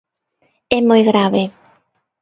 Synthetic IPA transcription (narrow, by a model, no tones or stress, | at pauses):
ɛmojɣɾaβe